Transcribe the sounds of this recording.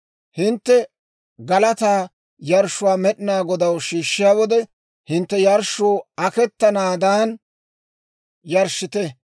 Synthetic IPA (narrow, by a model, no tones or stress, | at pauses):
hɪnt̪ːɛ | ɡɐlɐt̪aː | jɐɾʃːʊwaːmɛɗɪnaːɡɔd̪ɐwʃiːʃːɪjaːwɔd̪ɛ | hɪnt̪ːɛjɐɾʃːʊːɐkɛt̪ːɐnaːd̪aːn | jɐɾʃɪt̪ɛ